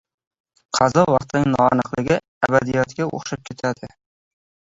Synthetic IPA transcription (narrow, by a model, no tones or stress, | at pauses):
qʰɑzɒvɑqt̪ʰɪnɪŋnɒanɨqlˠɪɡʲɪ | abad̪ijɒt̪kʲaʔo̰χʃap̚kʲʰe̞t̪ʰad̪ɪ